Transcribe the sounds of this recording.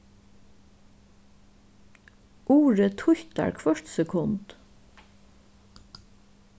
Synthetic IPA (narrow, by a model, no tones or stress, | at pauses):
ʔuːɹət̪ʰʊçt̪a̰ɹkʰʋœʂt̪sɛkʰʊnt̪